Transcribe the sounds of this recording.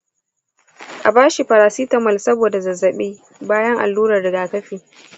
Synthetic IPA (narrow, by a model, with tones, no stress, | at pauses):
ʔa˨baː˦ʃi˨ɸɐ˨ɾaː˨si˦tɐ˨mɐ˨lsɐ˦boː˨da˨zɐ˨zɐ˨ɓiː˦ | baː˦jɐ˦ŋʔa̰˨lːuː˦ɾɐ˨rdɐ˨ɡaː˨tɐ˦ɸiː˨